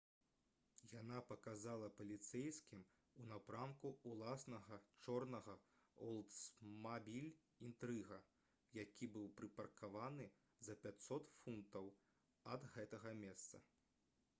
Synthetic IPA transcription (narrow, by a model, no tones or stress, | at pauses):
janapɐkazalˠɐpɐlʲit̪sɛjskʲim | unapɾamkuulˠasnɐɣɐt͡ʂɔrnɐɣɐɔlˠt̪smabʲilʲ | int̪ɾɨɣɐ | jakʲibɨwpɾɨpɐrkʰavanɨ | zɐpʲat̪sɔt̪funt̪ɐw | ɐd̪ɣɛt̪ɐɣɐmʲɛst̪sɐ̰